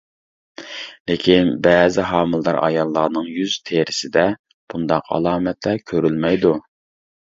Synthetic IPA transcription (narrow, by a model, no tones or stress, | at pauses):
lekʲʰinbɛːzɪɦɑːmɨlˠd̪ɑɾʔɑ̰jɑlˠːɑːnɨŋjyz̥t̪ʰeɾɪsɪd̪ɛ | b̥und̪ɑqʰɑ̰lˠɑːmɛt̪lɛɾkʲʰøɾylmɛjd̪u